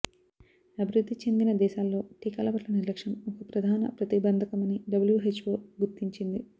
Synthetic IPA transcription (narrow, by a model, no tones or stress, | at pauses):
ɐbʱiɾud̪ʱːit͡ʃe̞nd̪inɐd̪ɛːʃaːlːo̞ːʈiːkɐːlɐbɐʈlɐniɾlɐkʂɐmɔkɐpɾɐd̪ʱaːnɐ̰pɾɐt̪ibɐnd̪ʱɐkɐmɐniɖɐbɐljuɦet͡ʃːʋoːɡuɾt̪iɲt͡ʃind̪i